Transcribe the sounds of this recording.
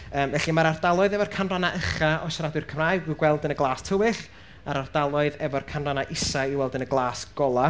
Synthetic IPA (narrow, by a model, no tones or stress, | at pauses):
əːmvɛɬimaɾardalˠɔɨðɛvɔrkʰanranaʔəχaɔʃaɾadwɨrkʰəmraːɨɡɪɡwɛlˠdənəɡlˠaːstʰəwɪɬ | aɾard̥alˠɔɨðɛvɔrkʰanranaʔɪsaiwɛlˠdənəɡlˠaːsɡ̥ɔlˠa